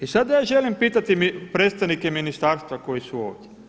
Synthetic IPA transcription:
isad̪jaːʒelimpiːt̪at̪imipɾet̪st̪aʋnikeminist̪aːɾst̪ʋako̞jisuoːʋd̪ʲje

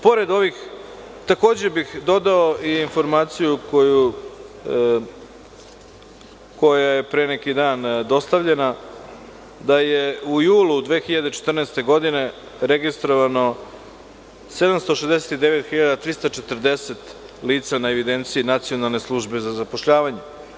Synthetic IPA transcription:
po̞ɾe̞d̪o̞ʋix | t̪ako̞ːd͡ʑe̞bixd̪o̞d̪aoʔiːnfo̞ɾmaːt̪sijukoju | ko̞jaje̞pɾenekid̪aːnd̪o̞st̪aʋʎe̞na | d̪ajeujuːlud̪ʋeːxiʎad̪e̞t͡ʃe̥t̪r̩nest̪e̞ɡo̞d̪ine̞ | ɾeɡist̪ɾoʋano̞ | se̞d̪amst̪o̞ʃezd̪ese̥t̪id̪e̞ʋe̞t̪xiʎad̪at̪ɾist̪at͡ʃet̪r̩d̪e̞set̪ | liːt̪sanaeʋid̪ent̪siinat̪sijo̞nalˠne̞slˠuʒbe̞zazapoʃʎaːʋaɲe

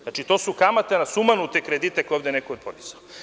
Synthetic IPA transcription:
nat͡ʃit̪o̞ːsukamat̪anasumanut̪ekɾed̪it̪ekojovd̪enekoːpod̪izao

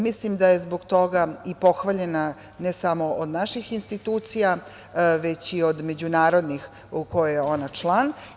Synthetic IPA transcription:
mislimd̪aje̞zboɡt̪o̞ɡaipo̞xʋaʎe̞na | nesamo̞ʔod̪naʃixinst̪it̪uːt̪sija | ʋet͡ɕiod̪me̞d͡ʑunaːɾo̞d̪nix | ukojejeo̞nat͡ʃlˠan

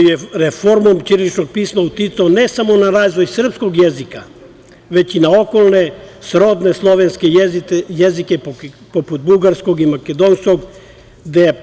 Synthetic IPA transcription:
jeɾefo̞ɾmomt̪iɾlit͡ʃno̞ɡ̚piːsmaut̪it̪saonesamo̞naɾaːzʋo̞jsr̩psko̞ɡjezika | ʋe̞t͡ɕinao̞kolˠnesɾo̞d̪neslˠoʋenskejzitjezikepoput̪̚buɡaɾsko̞ɡimaked̪onsko̞ɡ | d̪ee

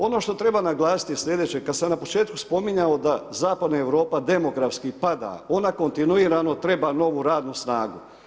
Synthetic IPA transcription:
o̞no̞ʃt̪o̞t̪ɾe̞banaɡlˠaːsi̥t̪isʲʎʲe̞d̪et͡ɕekad̪samnapo̞t͡ʃe̞ːt̪kuspo̞miɲaod̪azaːpad̪naeʋɾo̞ːpad̪e̞mo̞ɡɾafskipad̪a̰o̞nako̞nt̪inuiːɾano̞t̪ɾe̞bano̞ʋuɾaːd̪nusnaːɡu

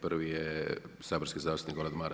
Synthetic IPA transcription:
prʋijesaːboɾskʲizaːst̪ut̪niɡoɾad̪maɾ

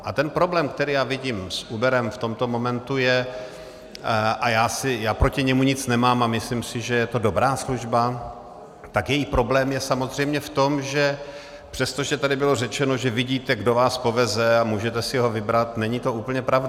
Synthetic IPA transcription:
ʔat̪ɛnpɾo̞blɛːmkt̪ɛɾiːjaːvɪɟiːmsʔuːbɛɾɛmft̪o̞mt̪o̞mo̞mɛnt̪ujɛ | ʔajaːsɪjaːpɾo̞cɪɲɛmuɲɪt͡snɛmaːmamɪslimsɪʒɛjɛt̪o̞do̞bɾaːsluʒba | t̪akjɛjipɾo̞blɛːmjɛsamo̞zr̝ɛjmɲɛft̪o̞mʒɛ | pr̥ɛst̪o̞ʒɛt̪adɪbɪlo̞rɛt͡ʃɛno̞ʒɛvɪɟiːt̪ɛɡdovaːspo̞vɛzɛamuːʒɛt̪ɛsɪɦo̞vɪbɾat̪nɛɲit̪o̞uːpəɲɛpɾavda

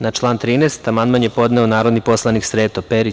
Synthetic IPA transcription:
nat͡ʃlˠaːnt̪ɾiːnest̪amanmanjepo̞d̪neonaːɾo̞d̪nipo̞slˠaniksɾeːt̪opeɾi

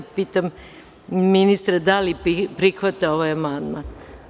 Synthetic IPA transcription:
piːt̪am | minist̪ɾad̪alipɾixʋat̪aoʋajamand̪man

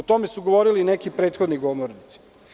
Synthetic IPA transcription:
ot̪o̞mesuɡoʋoɾilinekipɾe̞ːt̪xod̪niɡomoɾnit̪si̥

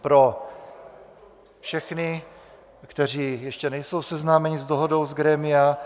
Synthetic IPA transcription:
pɾo | fʃɛxnɪ | kt̪ɛr̝iːjɛʃcɛnɛjso̞wsɛznaːmɛɲizd̪oɦodo̞wzɡɾɛːmɪja

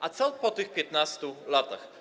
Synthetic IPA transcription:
ʔat̪salpɔt̪ɨxpʲjɛt̪nast̪ulat̪a̰x

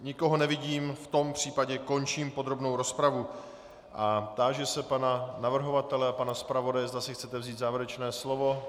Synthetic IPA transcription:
ɲɪko̞ɦo̞nɛvɪɟiːmft̪o̞mpr̝̥iːpaɟɛko̞nt͡ʃiːmpo̞d̪ɾo̞bno̞wɾo̞spɾavu | ʔat̪aːʒɛsɛpananavr̩ɦo̞vat̪ɛlɛapanaspɾavo̞dajɛzd̪asɪxt͡sɛt̪ɛvziːt̪zaːvɪɾɛt͡ʃnɛːslo̞vo̞

